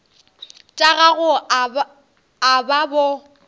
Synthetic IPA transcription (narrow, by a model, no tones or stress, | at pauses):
tʼaɣaɣʊ | ababɔ